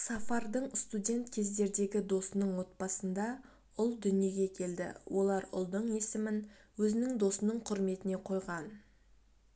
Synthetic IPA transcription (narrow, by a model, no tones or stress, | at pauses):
sɑfɑrd̪əɴst̪udʲe̞nt̪kʲʰe̞zd̪e̞ɾd̪e̞ɡʲɪd̪o̞sənəɴwo̞t̪̚pɑsənd̪ɑ | ʊlˠd̪ʏnije̞ɡʲe̞kʲʰe̞ld̪ɪ̰wʔo̞lˠɑɾʊ̰lˠd̪əɴe̞sɪmɪnwɵzɪnɪŋd̪o̞sənəɴqʰʊɾme̞t̪ɪne̞qʰo̞jʁɑn